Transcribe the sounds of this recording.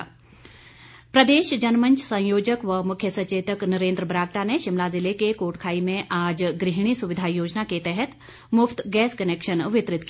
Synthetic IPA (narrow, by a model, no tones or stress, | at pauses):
pɾəd̪eːʃd͡ʒɐnməɲt͡ʃʰsə̃joːd͡ʒəkʋəmukʰjəsət͡ʃeːt̪əknəɾẽːnd̪ɾəbɾaːkʈaneʃimlad͡zilekekoːʈkʰaːimẽʔaːd͡ʒɡɾiɦɳ̃iːsuʋid̪ʱajoːd͡ʑnaket̪ɛɦɛt̪ | mʊft̪ɡɛːskənekʃənʋɪt̪ɾɪt̪k